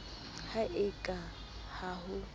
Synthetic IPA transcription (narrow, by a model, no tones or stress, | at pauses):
haʔɪkʼa | haɦʊ